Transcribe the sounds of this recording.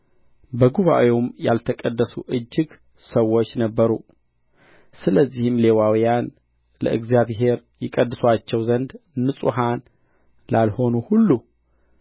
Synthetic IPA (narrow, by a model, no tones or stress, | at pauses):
bəɡuβa̰ʔweumja̰lt̪ʰəkʼəd̪ːəsuʔɨd͡ʒːɨɡ | səwːo̞t͡ʃːnəbːəɾu | sɨləzːihɨmle̞wawijan | lə̰ʔɨɡzjaβɦe̞ɾ | jɪkʼəd̪ːɨswat͡ʃːɛwzənd̪ːɨsʼuɦan | lalho̞nuhulːu